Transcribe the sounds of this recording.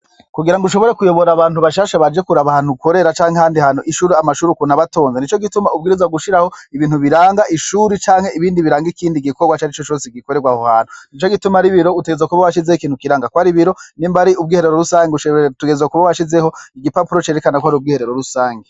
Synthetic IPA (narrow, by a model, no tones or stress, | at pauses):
kuɡiɾaŋɡuʃ̬o̞βo̞ɾe̞kujo̞βo̞ɾaβaːnhuβaʃaːʃaβad͡ʒekuɾaβahan̥ukʰo̞ɾe̞ɾat͡ʃaːŋehaːndihanoʔiʃuːɾiamaʃuːɾukunaβato̞ːnzenit͡ʃo̞ɡitumaub̚ɡiːɾizwaɡuʃiɾaho̞iβiːn̥huβiɾaːŋɡaʔiʃuːɾit͡ʃaːŋhe̞iβiːndiβiɾaːŋɡikʰiːndiɡiko̞ɡwat͡ʃaɾit͡ʃot͡ʃo̞ːseɡiko̞ɾeɡwahohaːnhunit͡ʃo̞ɡitumaɾiβiɾo̞uteɡezakuβawaʃizehikiːnhukiɾaːŋɡakwaɾiβiɾo̞nimbaɾiub̚ɡiːhe̞ɾeɾoɾusaːŋɡeuʃtuɡe̞zakuβawaʃizeho̞iɡipapuɾot͡ʃe̞ɾekanakwhaɾiub̚ɡiːhe̞ɾeɾo̞ɾusaːŋɡe